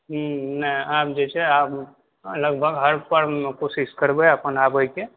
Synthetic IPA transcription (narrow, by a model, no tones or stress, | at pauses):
ɦnə̃aːp̚d͡ʒɛt͡ʃeaːp | ləɡbʱəɡɦəɾpəɾkoːsɪskəɾbeəpənaːpoike